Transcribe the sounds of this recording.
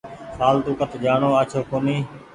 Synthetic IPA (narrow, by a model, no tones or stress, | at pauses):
saːlt̪ũːkət̪ʰːd͡ʒaːɳoːaːt͡ʃʰoːkoːniː